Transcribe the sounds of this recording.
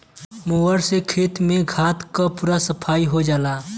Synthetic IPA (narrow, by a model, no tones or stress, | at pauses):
muʋəɾsekʰeːt̪mẽɡʱaːt̪kapuːɾasəpʰaːiɦod͡ʒaːlaː